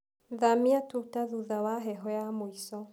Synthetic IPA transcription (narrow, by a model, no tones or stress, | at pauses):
ðamiatutaðuðawaɦɛɦɔjamwisɔ